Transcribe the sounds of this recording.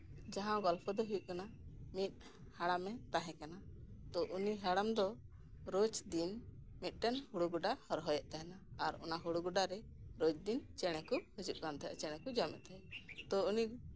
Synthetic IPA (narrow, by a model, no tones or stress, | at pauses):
d͡ʒaɦãɡɔlpʰɔd̪ɔɦujuʔkanamit̪̚ˀ | haɽamɛt̪aɦɛ̃kanat̪ɔʔuniɦɛɽamd̪ɔ | ɾod͡ʒd̪in | mit̪̚ˀʈɛnhuɽuɡuɖahɔɾɦɔjɛʔt̪aɦɛnaːɾɔ̰naɦuɽuɡuɖaɾɛɾod͡ʒd̪int͡ʃɛɽ̃ɛkuhud͡ʒuʔ̚ˀkant̪ʰɛ̰t͡ʃɛɽ̃ɛ̃kud͡ʒamɛ̰t̪aɦɛt̪ɔuni